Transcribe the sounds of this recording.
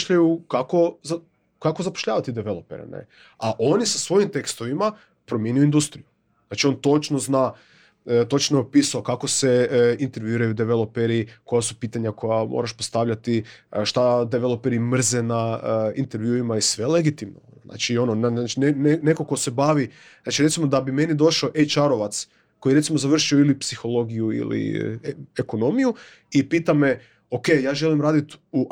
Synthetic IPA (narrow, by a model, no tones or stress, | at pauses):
ʃʎajukako̞za | kakozapo̥ʃʎaːʋat̪id̪eʋe̞lˠo̞peɾḛnḛ | aʔo̞nisasʋo̞jimt̪e̞kst̪o̞ʋima | pɾomjenijoind̪ust̪ɾiju | znat͡ʃio̞nt̪o̞t͡ʃnozna | t̪o̞t͡ʃnopisaokako̞seint̪e̞ɾʋjuiɾajud̪eʋelˠo̞peɾiko̞jasupiːt̪aɲako̞jamo̰ɾaʃpo̞st̪aʋʎat̪iʃt̪ad̪eʋelˠopeɾimr̩zenaəint̪e̞ɾʋjuimaisʋe̞leɡit̪imno̰znʔa̰ːt͡ʃio̞nonanat͡ʃinenneko̞ko̞se̞baːʋi | naːt͡ʃiɾe̞t̪simo̞d̪abime̞nid̪o̞ʃaoʔejt͡ʃaɾoʋat̪s | ko̞jiɾesimozaʋr̩ʃioilipsixo̞lˠo̞ɡijuḭlḭ | eko̞no̞miju | ipiːt̪ame̞ | o̞kejaːʒe̞limɾaːd̪it̪u